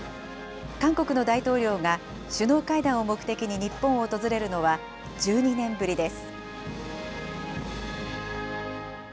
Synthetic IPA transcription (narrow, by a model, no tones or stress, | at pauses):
kãŋko̞kɯ̟no̞d̪ait̪o̞ːɾʲo̞ːŋa | ɕɨno̞ːkaid̪ãɰ̃o̞mo̞kɯ̟̥e̞kʲiɲ̟iɲ̟ipːõ̞ɰ̃o̞ːt̪o̞zɨɾe̞ɾɯ̟no̞βa | d͡ʑɨːɲ̟inẽ̞mbɯ̟ɾʲid̪e̞sɨ̥